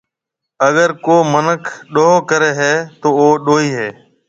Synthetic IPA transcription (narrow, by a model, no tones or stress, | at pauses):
əɠəɾkoːmənəkʰɗoːɦoːkəɾeːɦɛːt̪oːoːɗoːiːɦeː